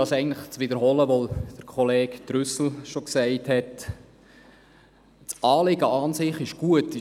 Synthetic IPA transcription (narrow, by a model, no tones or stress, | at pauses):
ɑsɛɪɡən̩tləχt͡sʋɪdəɾɦɔːləʋod̪̥əɾkʰɔleːktɾʏsl̩ʃoksɛɪthɛt | t͡sɑːlɪɡəɑːnsɪχɪʃɡ̥uətːɪ